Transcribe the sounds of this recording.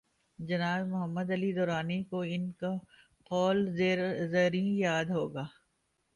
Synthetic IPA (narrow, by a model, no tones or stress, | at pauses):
d͡ʒɐnaːzmʊɦəmːəd̪ɐlid̪ɔːɾaːnekoɪnka | qɔːlzezɐɾĩjaːd̪ɦoːɡaː